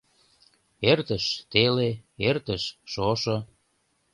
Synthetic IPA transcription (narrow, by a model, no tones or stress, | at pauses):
ert̪əʃt̪eleert̪əʃːoʃɤ